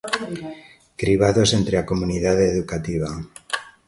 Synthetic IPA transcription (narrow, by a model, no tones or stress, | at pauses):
kɾiβ̞aðo̞se̞nt̪ɾeakomuniðaðeðukat̪iβ̞a